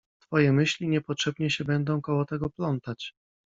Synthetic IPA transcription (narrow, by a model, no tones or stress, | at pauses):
t̪fɔjɛmɘɕlʲiɲɛpɔtʂɛbɲɛɕɛbɛnd̪ɔ̃w̃kɔwɔt̪ɛɡɔplɔnt̪at͡ɕ